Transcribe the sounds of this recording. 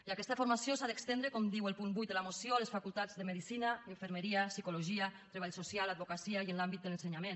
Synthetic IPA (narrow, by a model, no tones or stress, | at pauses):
iakɛst̪afoɾmasjosaðekst̪enɾekɔmd̪iwəlˠpunbujt̪əlamosjoaləsfakulˠt̪ad͡zðəmeðisinaeɱfəɾməɾiasikoloʒiat̪ɾeβaʎsosjalad̪βokasiajənlambit̪̚d̪ələnseɲamen